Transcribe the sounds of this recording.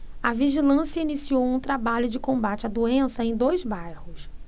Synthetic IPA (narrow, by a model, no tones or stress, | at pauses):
ɐviʒilɐ̃sijɐinisiowũt̪ɾabaʎʊd͡ʒɪkõmbat͡ʃɪad̪uẽsɐẽj̃d̪ojzbajhʊs